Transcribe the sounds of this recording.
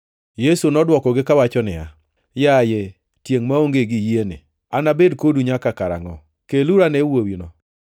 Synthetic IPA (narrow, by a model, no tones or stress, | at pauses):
jesunɔdwɔkɔɡɪkawat͡ʃɔnɪ̰a̰ | jaje | tjeŋmaoŋɡeɡɪjienɪ̰ | anabedkoduɲakakaɾa̰ŋɔ | keluɾanɛwowinɔ